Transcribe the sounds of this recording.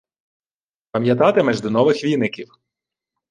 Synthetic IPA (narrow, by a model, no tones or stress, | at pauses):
pɐmʲjɐt̪ɑt̪ɪmɛʒd̪ɪnɔʋɪxʋʲinɪkʲiw